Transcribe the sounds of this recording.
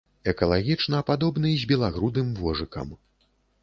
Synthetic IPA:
ɛkɐlˠaɣʲit͡ʂnɐːpad̪ɔbnɨjzʲbʲɛlˠaɣɾud̪ɨmvɔʐɨkɐ̰m

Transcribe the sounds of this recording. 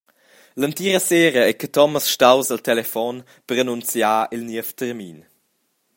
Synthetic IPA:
lənt̪iːɾəseːɾəɛkət̪ɔməsʃtawzəlt̪ɛlɛfɔn | pəɾanunt͡sjaːʔilniəft̪əɾmin

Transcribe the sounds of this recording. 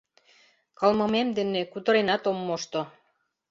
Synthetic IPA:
kɑlmə̆memd̪enekut̪ə̆ɾenɑt̪omːoʃt̪o

